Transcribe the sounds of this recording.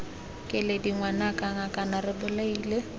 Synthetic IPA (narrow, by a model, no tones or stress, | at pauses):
kʼɪlediŋwanakʼaŋakʼanarɪbʊlaiːle